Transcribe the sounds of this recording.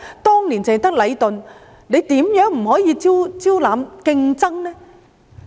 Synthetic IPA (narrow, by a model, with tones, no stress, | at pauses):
t̪ɔː˥ŋniː˨˩nt͡sɛ˨˩t̪ɐ˥k̚lɐ˨˧jt̪ɵ˨n | ne˨˧jt̪iː˨˥mjœː˨˥ŋm̩˨˩hɔː˨˥jiː˨˧t͡siː˥wt͡siː˥wlaː˨˧mkɪ˧ŋt͡sɐ˥ŋnɛː˥